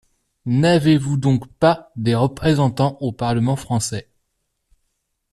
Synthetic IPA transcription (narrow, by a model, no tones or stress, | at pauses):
navevud̪ɔ̃kpad̪eʁəpχezɑ̃t̪ɑ̃ʔopaʁləmɑ̃fχɑ̃sɛ